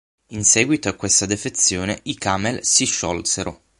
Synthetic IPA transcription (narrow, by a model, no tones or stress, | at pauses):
insɛːɡwit̪oakːwest̪ad̪efet̪sːjoːneikaːmelsiʃːɔlseɾo